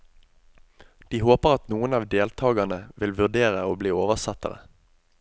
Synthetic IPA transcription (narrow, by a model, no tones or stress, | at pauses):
d̪̥iːhoːpəʁɑt̪nuːənɑːʋd̪eːlt̪ʰɑːɡɑnəʋɪlʋʉd̪eːʁəoːbliːoːʋəʁsɑt̪ə̰ʁə̰